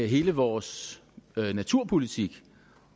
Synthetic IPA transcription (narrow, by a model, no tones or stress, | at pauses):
ɦe̝ːləʋɒːs | næt͡sʰuɐ̰pʰo̝lit͡sʰiɡ̥